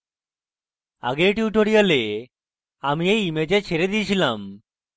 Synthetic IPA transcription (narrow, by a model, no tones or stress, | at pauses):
a̰ɡeʈiuʈoɽijale | amiejimed͡ʑet͡ɕʰeɾed̪it͡ɕʰilam